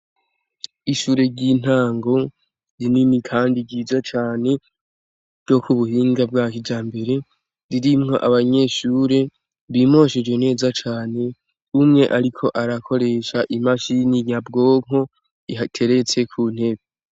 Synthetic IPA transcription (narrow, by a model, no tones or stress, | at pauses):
iʃuːɾe̞ɾɟin̥haːŋɡo̞ | ɾininikʰaːndiɟiːzat͡ʃaːne̞ | ɡo̞kuβuhiːŋɡab̚ɡaːkid͡ʒaːmbe̞ɾe̞ | ɾiɾimŋo̞ʔaβaɲe̞ʃuːɾe̞ | βiːmo̞ːʃed͡ʒwe̞ne̞ːzat͡ʃaːne̞ | umŋe̞ʔaɾikʰo̞ʔaɾakʰo̞ɾe̞ʃaʔimaʃinijabɡo̞ːŋ̥o̞ | iɦatʰe̞ɾe̞t͡se̞kʰuːn̥he̞βe